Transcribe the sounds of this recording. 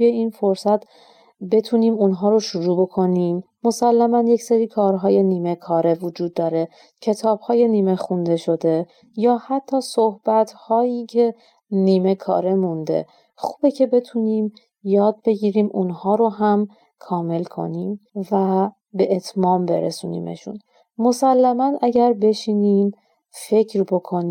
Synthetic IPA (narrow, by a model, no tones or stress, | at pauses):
ujeiːnfo̞ɾsæt̪ʰ | be̞t̪ʰuːniːmunɦɒːɾoʃuɾuːbo̞kʰo̞niːmːo̞sælːæmænje̞cseɾiːkʰɒːɾɦɒːje̞niːmekʰɒːɾe̞vod͡ʒuːd̪ːɒːɾe̞ | cʰe̞t̪ʰɒːb̥hɒːje̞niːme̞xund̪e̞ʃo̞d̪e̞ | jɒːhæt̪ʰːɒːsohb̥æt̪ʰhɒːjiːcʰe̞ | niːme̞kʰɒ̰ːɾe̞mund̪e̞̰ | xubecʰe̞be̞t̪ʰuniːm | jɒːd̪̚be̞ɟiːɾiːmʔunhɒːɾo̞ɦæm | kʰɒːme̞lkʰo̞̰niːmvæ | be̞ʔet̪ʰmɒːmbe̞̰ɾḛsṵːnḭːmḛʃṵn | mo̞sælːæmænʔæɟæɾbe̞ʃiːniːm | fe̞cʰɾbo̞kʰo̞ni